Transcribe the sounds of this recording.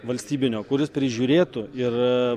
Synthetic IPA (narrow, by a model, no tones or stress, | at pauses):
ʋɐlʲsʲt̪ʲiːbʲɪnʲoːkʊɾʲɪspʲɾʲɪʒʲuːɾʲeːt̪ʊɪr